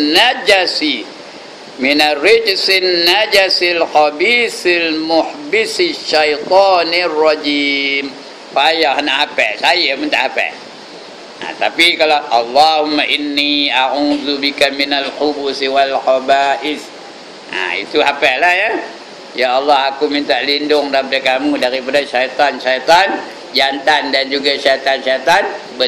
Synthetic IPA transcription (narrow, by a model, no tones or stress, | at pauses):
nːad͡ʒasi | mɪnarɪd͡ʒsɪnːad͡ʒasɪlxɑbiːsɪlmʊħbɪsiʃːajt̪ˤɑːnirːɑd͡ʒiːm | fajahanaʔhapɛ̰sajamənt̪aʔhapɛ̰ | a̰t̪a̰pikalaʔɑ̰lːahumːaʔɪnːiaʕuðubikaminalxubusiwalxabaːʔɪs | ʔa̰ḭt̪uɦapɛʔlahja | jaːlːɑhakumint̪aʔlindʊŋdaɾipadakamudaɾipadaʃajt̪anʃajt̪an | d͡ʒant̪andand͡ʒuɡaʃajt̪anʃajt̪anbə